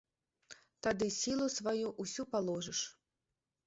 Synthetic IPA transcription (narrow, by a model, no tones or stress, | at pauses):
t̪ad̪ɨsʲilˠusvajuʔusʲupalˠɔʐɨʂ